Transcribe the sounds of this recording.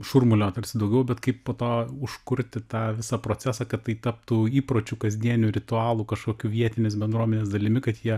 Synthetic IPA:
ʃʊrmʊlʲoːt̪ɐrʲsʲɪd̪ɐʊɡʲɛʊbʲɛt̪kɐɪppoːt̪oːʊʃkʊɾʲt̪ʲɪt̪ɑːʋʲɪsɑːpɾoːt͡sʲæːsɑːkɐt̪t̪ːɐɪt̪ɐp̚t̪uːiːpɾoːt͡ʃʲuːkɐzʲd̪ʲiɛnʲʊɾʲɪt̪ʊɑːlˠuːkɐʃkoːkʲuːʋʲiɛt̪ʲɪnʲeːs̬bʲɛnd̪ɾuɔmʲɛnʲeːsd̪ɐlʲɪmʲɪkɐt̪jiɛ

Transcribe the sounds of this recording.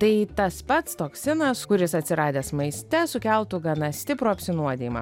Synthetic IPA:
t̪ɐɪt̪ɐspɐt̪st̪oːksʲɪnɐskʊɾʲɪsɐt̪ʲsʲɪɾɑːd̪ʲeːsmɐɪsʲt̪ʲɛsʊkʲɛlˠt̪ʊɡɐnɐsʲt̪ʲɪpɾoːɐpʲsʲɪnuɔd̪ʲeːjimɑ̰ː

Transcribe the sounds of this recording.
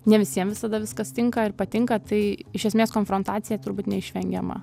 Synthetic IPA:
nʲɛʋʲɪsʲiɛmʋʲɪsɐd̪ɐʋʲɪskɐst̪ʲɪŋkɐɪɾpɐt̪ʲɪŋkɐt̪ɐɪɪʃʲɛsʲmʲeːskoːnfɾoːnt̪ɑːt̪sʲɪjɛt̪ʊɾbuːt̪nʲɛɪʃʲʋʲɛŋʲɡʲɛmɐ̰

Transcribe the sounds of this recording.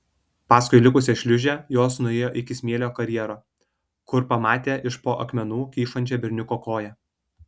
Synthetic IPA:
pɑːskʊɪlʲɪkʊsʲɛʃʲlʲʊʒʲɛjoːsnʊɛːjoːʔɪkʲɪsʲmʲiɛlʲoːkɐɾʲjɛɾoː | kʊɾpɐmɑːt̪ʲeːʔɪʃpoːʔɐkmʲɛnuːkʲiːʃɐnʲt͡ʃʲɛbʲɪɾʲnʲʊkoːkoːjæ

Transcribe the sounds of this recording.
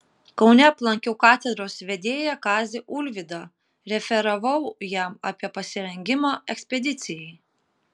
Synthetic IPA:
kɒʊnʲɛɐplˠɐŋʲkʲukɑːt̪ʲɛd̪ɾoːsʋʲɛd̪ʲeːjɛkɑːzʲɪʔʊlʲʋʲɪd̪ɑ | ɾʲɛfʲɛɾɐʋɐʊjæmɑːpʲiɛpɐsʲɪɾʲɛŋʲɡʲɪmɑɛksʲpʲɛd̪ʲɪt̪sʲɪjɛɪ

